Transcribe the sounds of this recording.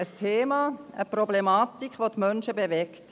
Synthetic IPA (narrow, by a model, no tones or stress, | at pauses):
əstʰeːmɑːəpɾɔblemɑːtikχʋotmœnʃəbeʋɛkt